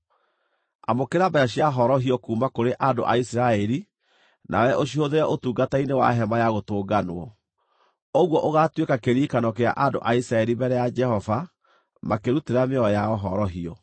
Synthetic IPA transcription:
a̰mokeɾabaaɕiaɦɔɾɔɦiɔkuːmakoɾeʔando̰ʔaisiɾaɛɾi | nʔa̰wɛʔoɕ̬ioðeɾɛʔotuːɡatainewa̰ɦɛmajaɣotoːɡanwɔ | oɣwɔʔoɣatwekakeɾiːkanɔkea̰ʔando̰ʔaisɾaɛɾimbɛɾɛjad͡ʒɛhɔva | makeɾuteɾameɔɔjaɔɦɔɾɔɦiɔ

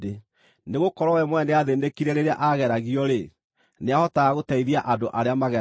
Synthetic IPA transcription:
e | neɣokɔɾwɔwɛmwɛnɛaðendekiɾɛɾeɾea̰ʔaɣɛɾaɣiɔɾe | neahɔtaɣaɣotaiðiaʔandoʔaɾeamaɣɛ

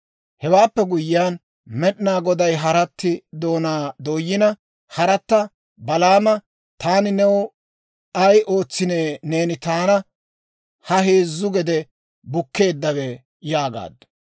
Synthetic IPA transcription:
hɛwaːpːɛɡʊjɪjaːn | mɛɗnaːɡɔd̪ɐjɦɐɾɐt̪ːɪd̪o̞ːnaːd̪oːjːɪnɐ | hɐɾɐt̪ːɐ | bɐlaːmɐ | t̪aːnɪnɛwɔ | ɐjʔo̞ːt͡sːɪneːneːnɪt̪aːnɐ | hɐɦeːzːʊɡɛd̪ɛ | bʊkːe̞ːd̪ːɐwɛ | jaːɡa̰ːd̪ːɐ̥

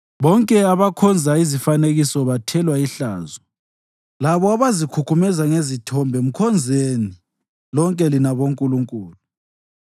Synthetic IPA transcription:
βɔŋkʼɛaβakʰɔnd͡zʱaizifaneɣisɔβatʰɛlwaiɬa̰ːzɔ | laβɔaβazikʰukʰumɛzaŋezitʰɔmbʱɛm̩kʰɔnd͡zʱeni | lɔŋkʼɛlinaβoŋkʼuluŋkʼuːlu

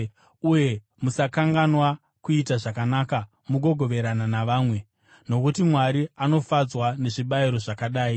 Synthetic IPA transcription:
uje̞ | musakaŋɡanwa | kuitaʐakanaːka | muɡʱo̞ɡʱo̞ʋe̞ɾananaʋaːmwe̞ | no̞kutimwaɾiano̞fad͡zwane̞ʐiɓaiɾo̞ʐakaɗaːi

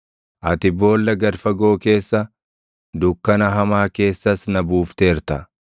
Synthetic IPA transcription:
ʔɐt̪ɪbo̞ːlːɐɡɐɾfɐɡo̞ːke̞ːsːɐ | d̪ʊkːɐnɐɦɐmaːke̞ːsːɐsnɐbuːft̪e̞ːɾt̪ɐ

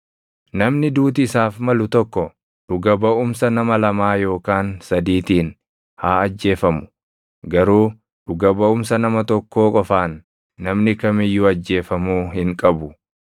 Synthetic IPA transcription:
nɐmnɪd̪uːt̪̬ɪːsaːfmɐlʊt̪ɔkːɔ | ᶑ̥ʊɡɐbɐʔʊmsɐnɐmɐlɐmaːjo̞ːkaːnsɐd̪iːt̪iːn | haːɐd͡ʒːe̞ːfɐmʊ̥ | ɡɐɾuː | ᶑʊɡɐbɐʊmsɐnɐmɐt̪ɔkːoːkʼɔfaːnː | ɐmnɪkɐmɪjːʊɐd͡ʒːe̞ːfɐmuːɦɪŋkʼɐbʊ

